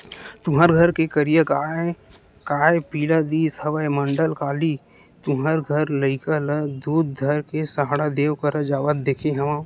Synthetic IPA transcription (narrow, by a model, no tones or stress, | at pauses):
t̪ʊmaɾɡʱɐɾkekəɾijəkaːe | kaːepiːlad̪iːsɐʋəemɐ̃ɳɖəlkaːli | t̪ʊməɾɡʱəɾləɪkələd̪uːd̪̚d̪ʱɐɾkesaɦɽad̪eːʋkəɾəd͡ʒaːʋət̪̚d̪eːkʰẽɦɛmãː